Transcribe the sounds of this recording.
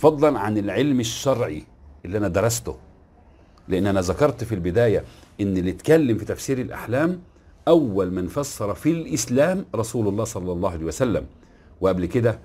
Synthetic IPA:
fɑd̪ˤːɑlʕanɪlʕelmɪʃːɑɾˤʕḭʔɪlːiːʔænæd̪ɑɾˤɑst̪ʊ̰ | lɪʔanːʔænæzɑkɑɾˤt̪filbɪd̪æːjæʔɪnːlːɪt̪kælːɪmfit̪æfsiːɾɪlʔa̰ħlæːm | ʔæwːælmænfɑsːɑɾˤɑfilʔɪslæːmɾˤɑsuːlɑlˤːɑːhsˤɑlːɑlˤːɑːhalejːjwæsælːæm | wɪʔæblkɪd̪æ

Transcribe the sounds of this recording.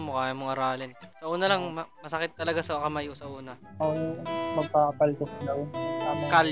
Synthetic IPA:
mokaːjɐmoŋʔɐɾaːlɪnsɐʔuːnɐlɐŋmmɐsɐkɪt̪ːɐlɐɡasɐkɐmaʔiʔʊsɐʔuːnɐ | ɐjmɐɡ̚papɐlt̪ʊkd̪awkal

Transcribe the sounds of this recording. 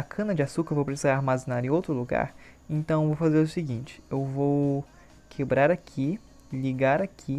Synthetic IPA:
ɐkʰɐ̃nɐd͡ʒɪasukɐevowpɾesizaɾaɾmazẽnaɾẽowt̪ɾʊluɡa̰ɾ | ẽnt̪ɐ̃w̃evowfazeɾʊsiɡĩnt͡ʃɪ̥ewvow | kʰebɾaɾakʰi | liɡaɾakʰi

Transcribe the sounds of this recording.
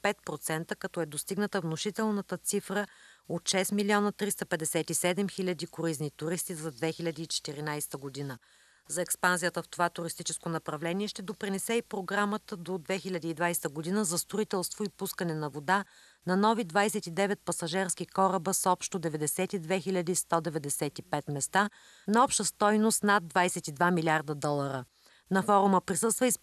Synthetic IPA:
pɛt̪̚pɾot̪sɛnt̪əkɐt̪ɔɛd̪ost̪iɡnət̪əvnoʃit̪ɛlˠnət̪ət̪sifɾəot̪ʃɛsmilʲiɔnət̪ɾist̪əpɛd̪ɛsɛt̪isɛd̪ɛmxilʲɐd̪ikʊɾiznit̪ʊɾist̪izɐd̪vɛxilʲɐd̪iːt͡ʃɛ̥t̪iɾinajst̪əɡod̪inə | zɐɛkspanzijət̪əft̪ovat̪ʊɾist̪it͡ʃɛskonɐpɾɐvlɛniɛʃt̪ɛd̪opɾinɛsɛipɾoɡɾamət̪əd̪od̪vɛxilʲɐd̪iːd̪vajsɛ̥t̪əɡod̪inəzɐst̪ɾoit̪ɛlˠst̪voipuskənɛnɐvod̪a | nɐnɔvid̪vajsɛt̪id̪ɛvɛt̪̚pɐsɐʒɛɾskikɔɾəbəsɔpʃt̪od̪ɛvɛd̪ɛsɛt̪id̪vɛxilʲɐd̪ist̪ɔd̪ɛvɛd̪ɛsɛt̪ipɛt̪mɛst̪a | nɐɔpʃt̪əst̪ɔjnost̪nad̪ːvajsɛt̪id̪vamilʲaɾd̪əd̪ɔlˠəɾə | nɐfɔɾʊməpɾisɤst̪vəis

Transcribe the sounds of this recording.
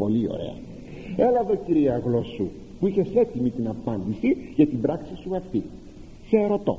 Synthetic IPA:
po̞lio̞̰ɾe̞̰ɐ̰ | e̞lɐðo̞ciɾiɐːɣlo̞su | puiçe̞se̞t̪imit̪inɐpɐnd̪isiʝɐt̪ibɾɐksisuɐft̪i | seːɾo̞t̪o̞̰

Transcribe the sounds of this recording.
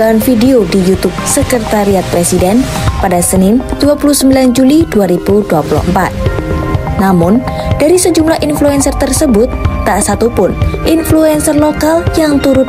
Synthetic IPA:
aanfideodijut̪up̚səkərt̪aɾiat̪̚pɾesidɛnpadasənɪnd̥uapuluhsəmbiland͡ʒuliduaɾibuduapulṵəmpa̰t̪̚ | namʊnd̥aɾisəd͡ʒumlahʔinfluɛnsərt̪ərsəbʊt̪ːaʔsat̪upʊnʔinfluɛnsərlokaljaŋt̪uɾʊt̪̚

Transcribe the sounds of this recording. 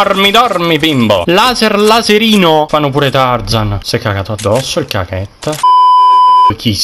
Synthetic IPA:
rmid̪ɔrmipimbo̰laːzerlazeɾiːnofanːopuːɾet̪ard̪zansɛkːakaːt̪oad̪ːɔsːoilka̰kɛt̪ː | ojk̟ʰi

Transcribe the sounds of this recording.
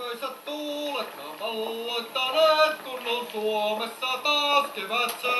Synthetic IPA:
øiset̪t̪uːlekːɑ̰ːpɑlːoit̪ːɑnet̪kunːonsuomesːɑt̪ɑːskiʋæt̪se

